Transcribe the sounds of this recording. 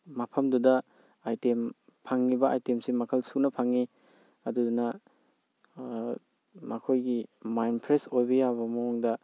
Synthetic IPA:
mɐpʰɐmdudɐ | ajtem | pʰaŋnibɐʔa̰jtemsimɐkʰɐlsunɐpʰaŋi | ɐdudunɐ | mɐkʰojɡimajnpʰɾesojbɐjabɐmɐɔŋdɐ

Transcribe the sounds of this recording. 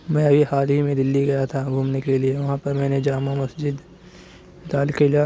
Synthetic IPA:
mɛ̃ɐbʱihaːlɦimẽd̪ɪlːiɡɐjat̪ʰaɡʱuːmnekelieʋɐɦãpɐɾmɛ̃ːned͡ʒaːmamɐsd͡ʒɪd̪ | d̪aːlkelja

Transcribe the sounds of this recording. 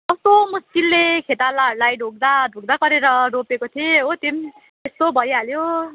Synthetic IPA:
ʌst̪omuskilːekʰeʈalaɦʌɾulajɖʱuk̚d̪aɖʱuɡ̚d̪akʌɾeɾʌropekot̪ʰieot̪im | est̪obʱʌjaljo

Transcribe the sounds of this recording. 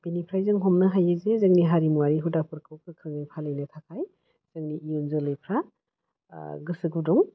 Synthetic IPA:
b̥enipʰɾajzɯŋɦɔmnɐɦajezezɐŋniɦaɾimuaɾiɦudapʰɯɾkʰɯwkʰɯkʰɾɯŋajpʰalɯjnɯtʰakʰaj | z̥ɯŋniʔijunzɯlɯjpʰɾa | ɡɯsɯɡudɔŋ

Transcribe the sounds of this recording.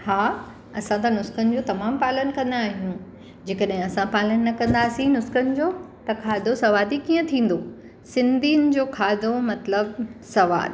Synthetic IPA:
haː | ɐsãt̪ɐnʊsxənɪ̆d͡ʑoːt̪ɐmaːmpaːlənkɐ̃nd̪aːɦijũ | d͡ʑeːkəɗɦɪ̃ɐsãpaːlən̆ːɐkɐ̃nd̪aːsĩnʊsxənɪ̆d͡ʑoː | t̪ɐkʰaːd̪osɐʋaːd̪ikiːə̃t̪ʰĩːn̆d̪o | sɪ̃nd̪ʱinɪ̆d͡ʑoːkʰaːd̪ʱomɐt̪ləbsɐʋa̰ːd

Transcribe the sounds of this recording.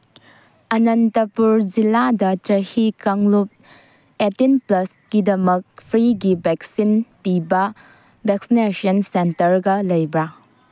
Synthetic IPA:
ɐnɐntɐpuɾd͡ʒiladɐt͡ʃɐhikɐŋlup̚ | etinplɐs | kidɐmɐk̚pʰɾiɡibek̚sinpibɐ | bek̚sinesɐnsentɐɾɡɐlɐjbɾa

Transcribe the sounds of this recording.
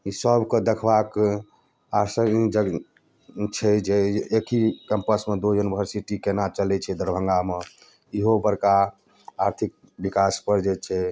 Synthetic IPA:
isəbʱked̪ekʰbak | aɾsəd͡ʒə | t͡ʃʰɛd͡ʒeekikəmpəsmed̪od͡ʒənibʱəɾsiʈikenat͡ʃəlɛt͡ʃʰɛd̪əɾbʱə̃ŋɡame | iɦobəɾkaː | ɾt̪ʰik̚ | bikaspəɾd͡ʒet͡ʃʰɛ

